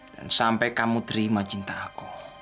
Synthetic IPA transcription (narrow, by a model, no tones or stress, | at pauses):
la̰nsampɛkamud̪ɾimat͡ʃint̪aːku